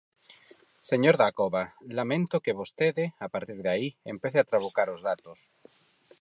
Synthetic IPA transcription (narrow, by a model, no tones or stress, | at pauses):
seɲoɾðakoβalamẽnt̪okeβ̞ost̪eðeapaɾt̪iɾðaiempeθeat̪ɾaβ̞okaɾozðat̪os